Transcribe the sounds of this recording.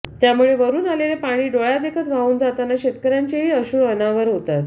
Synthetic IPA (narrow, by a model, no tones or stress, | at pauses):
t̪jamuɭeʋəɾuːnalelepaɽ̃iːɖoɭad̪ekʰət̪ʋauːnd͡zat̪anaɕet̪kəɾjaɲt͡ɕeɦiːəɕuːənaʋəɾɦot̪at̪